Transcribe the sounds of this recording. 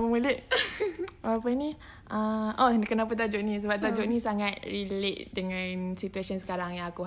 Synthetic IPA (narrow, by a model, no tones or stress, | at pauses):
məmuləʔ | walapəni | ʔəʔɔkənapat̪̬ad͡ʒoʔnis̬əbap̚t̪ad͡ʒɔʔnĩsaŋat̪̚rileʔdəŋãnsit̪uasiənsə̥kaɾaŋjaŋaku